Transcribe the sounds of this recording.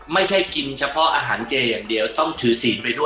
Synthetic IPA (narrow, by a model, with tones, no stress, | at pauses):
ma˥˩jt͡ɕʰa˥˩jki˧nt͡ɕʰa˧pʰɔ˦˥ʔa̰ː˧ɦaː˩˦nt͡ɕeː˧jaː˨˩ŋdi˧əwt̪ɔ˥˩ŋt̪ʰɯː˩˦siː˩˦npa˧jdu˥˩